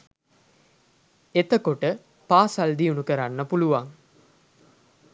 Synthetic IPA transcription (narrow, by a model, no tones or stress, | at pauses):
et̪əkoʈə | paːsald̪iunukəɾanːəpuluʋaŋ